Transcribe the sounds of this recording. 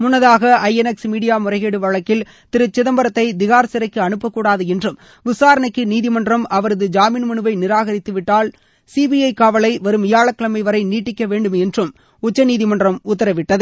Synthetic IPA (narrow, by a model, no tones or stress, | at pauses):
mʊnːɐðaːɣɐɐɪɛnɛksmiːɽɪjaːmʊrɐɪɣeːɽɯʋɐɻɐkːɪl | t̪ɪɾɯt͡ʃːɪðɐmbɐɾɐt̪ːɐɪd̪ɪɣaːɾsɪɾɐɪkːɯɐɳɯpːɐkːuːɽaːðɯɛndrɯm | ʋɪsaːɾɐɳɐɪkːɯniːðɪmɐndrɐmɐʋɐɾɐðɯd͡ʒaːmiːnmɐɳɯʋɐɪnɪɾaːɣɐɾɪt̪ːɯʋɪʈːaːl | siːbiɐɪkaːʋɐlɐɪʋɐɾɯmɪjaːɭɐkːɐɭɐmɐɪʋɐɾɐɪniːʈːɪkːɐʋeːɳɖɯmɛndrɯm | ʊt͡ʃːɐniːðɪmɐndrɐmʊt̪ːɐɾɐʋɪʈːɐðɯ